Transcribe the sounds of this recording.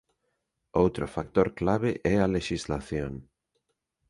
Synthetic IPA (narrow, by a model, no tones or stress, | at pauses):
owt̪ɾofakt̪oɾklaβ̞eʔɛaleʃizlaθjoŋ